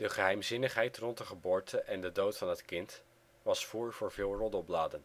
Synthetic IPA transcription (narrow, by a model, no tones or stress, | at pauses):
d̥əχəɦɛjmzɪnəχɦɛjtrɔnt̚dəχəbʊːɹtʰəʔɛndədowtfɑnɦətkɪnt | ʋɑsfuːɹvʊːɹvɪːlˠrɔdɔplaːdən